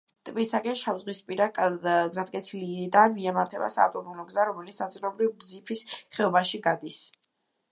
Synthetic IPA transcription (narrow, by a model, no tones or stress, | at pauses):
t̪ʼbisakʼɛnʃavzʁwispʼiɾakʼɡzat̪̚ʼkʼɛtsʰilid̪amiɛmaɾt̪ʰɛba̰sa̰ːft̪ʼɔbɔlɔɡzaɾɔmɛlit̪snat̪sʼilˠɔbɾivɡd̪zipʰisχɛɔbaʃiɡad̪is